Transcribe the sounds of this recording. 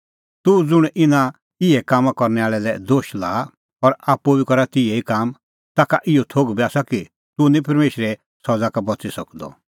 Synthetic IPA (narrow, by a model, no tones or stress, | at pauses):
t̪ud͡zʊɽ̃ɪnã | ɪɛkaːmãkɔɾnɛaːɭɛlɛd̪oːʃlaː | ɔɾapːubikɔɾat̪ɪɛikaːm | t̪aːkaʔɪɔt̪ʰoːɡbɛaːsaki | t̪unĩpɐɾmeːʃɾɛ | sɔd͡zakabɔt͡sisɐkd̪ɔ̰